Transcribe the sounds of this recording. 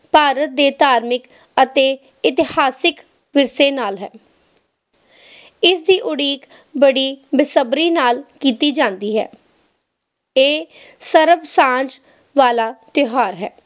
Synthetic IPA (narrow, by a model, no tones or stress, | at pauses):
paːɾət̪̚d̪eːt̪aːɾmɪk | ət̪eː | ɪt̪ɪhaːsɪk | ʋɪɾseːnaːlɦɛ̰ː | ɪsd̪iːʔʊɽiːk | bəɽiːbɪsəbɾiːnaːlkiːt̪iːd͡ʒãːnd̪iːɦɛ̰ː | eː | səɾəbsãːd͡ʒ | ʋaːlaːt̪ɪɦaːɾɦɛː